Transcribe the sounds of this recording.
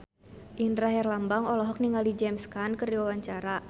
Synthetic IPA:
ʔindɾaɦɛrlambaŋɔlɔɦɔk̚niŋalid͡ʒɛmskankərdiwawaɲt͡ʃaɾa

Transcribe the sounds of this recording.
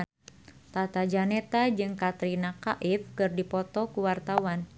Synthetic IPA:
t̪at̪ad͡ʒanɛt̪ad͡ʒɨŋkat̪ɾinakaʔɪfkɨrdipɔt̪ɔkuwart̪awan

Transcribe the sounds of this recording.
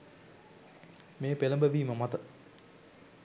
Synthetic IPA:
meːpeləmbəʋiːməmat̪ə

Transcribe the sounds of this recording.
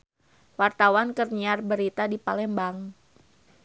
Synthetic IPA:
wart̪awankərɲiarbəɾit̪adipa̰lɛmbaŋ

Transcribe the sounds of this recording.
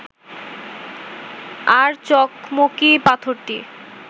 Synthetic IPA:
aɾt͡ɕɔkmokipat̪ʰoɾt̪i

